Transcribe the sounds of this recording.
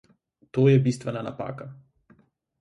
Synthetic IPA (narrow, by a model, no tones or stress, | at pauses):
t̪ojɛbist̪ʋɛnana̰pa̰ːka